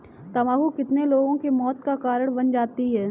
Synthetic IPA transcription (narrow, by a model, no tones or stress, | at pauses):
t̪ɐmaːɦukɪt̪neloːɡõkemɔːt̪kakaːɾəɽ̃bɐnd͡ʒaːt̪iɦɛː